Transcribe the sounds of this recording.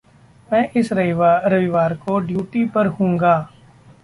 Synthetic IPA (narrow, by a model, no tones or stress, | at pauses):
mɛ̃ːʔɪsɾɐɪʋaɾɐʋɪʋaːɾkoɖjuːʈipɐɾɦũːŋɡaː